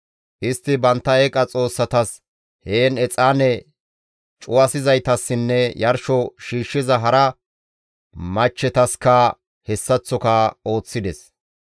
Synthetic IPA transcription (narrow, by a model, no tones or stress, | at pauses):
ʔɪst̪ːɪbɐnt̪ːɐeːkʼɐt͡sʼo̞ːsːɐt̪ɐs | heːnɛt͡sʼaːnɛ | t͡ʃʼʊwɐsɪzɐjt̪ɐsːɪnːɛjɐɾʃɔʃiːʃːɪzɐɦɐɾɐ | mɐt͡ʃːɛt̪ɐskɐ | hɛsːɐt͡sːɔkɐo̞ːt͡sːɪd̪ɛs